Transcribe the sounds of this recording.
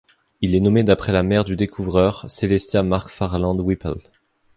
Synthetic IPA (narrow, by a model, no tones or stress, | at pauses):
ilɛnɔmed̪apχɛlamɛʁd̪yd̪ekuvʁœʁselɛst̪jamaʁkfaʁlɑ̃d̪wipɛ̰l